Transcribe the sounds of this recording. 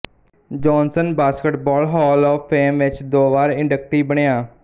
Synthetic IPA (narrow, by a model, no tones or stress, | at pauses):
d͡ʒɔːnsənbaːskəʈbɔːlɦɔːlɔːpʰːeːmʋɪt͡ʃd̪oːʋaːɾɪɳɖəkʈiːbəɳejãː